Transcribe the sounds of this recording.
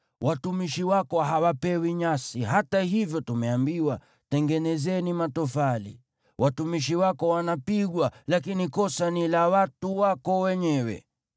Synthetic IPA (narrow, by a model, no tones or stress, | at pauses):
wʔatumiʃiwakɔɦawapɛwiɲasiɦatahivjɔtumɛambiwa | tɛŋɡɛnɛzɛnimatɔfalḭ | wʔatumiʃiwakɔwanapiɠwalakinikɔsanilawatuwakɔwɛɲɛwɛ̰